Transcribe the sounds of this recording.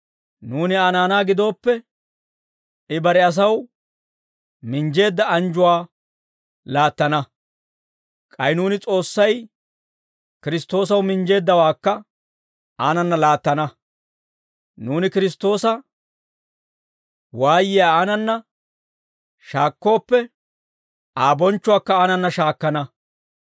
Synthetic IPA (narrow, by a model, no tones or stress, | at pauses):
nuːnɪaːnaːnaːɡɪd̪o̞ːpːɛ | ɪbɐɾɛɐs̬ɐw | mɪnd͡ʒe̞ːd̪ːɐɐnd͡ʒʊwaː | laːt̪ːɐnɐ | kʼɐjnuːnɪt͡sʼo̞ːsːɐj | kɪɾɪst̪ːo̞ːs̬ɐwmɪnd͡ʒe̞ːd̪ːɐwaːkːɐ | aːnɐnːɐlaːt̪ːɐnɐ | nuːnɪkɪɾɪs̬t̪ːo̞ːsɐ | waːjɪjaːaːnɐnːɐ | ʃaːkːo̞ːpːɛ | ʔaːbɔnt͡ʃːʊwaːkːɐaːnɐnːɐʃaːkːɐnɐ